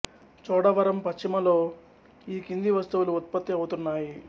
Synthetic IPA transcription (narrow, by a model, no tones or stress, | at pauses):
t͡ʃɔːɽɐʋɐɾɐmpɐʃt͡ʃːimɐlo̞ː | iːkind̪iʋɐst̪uʋuluut̪̚pɐt̪ːiɐwut̪unːaːji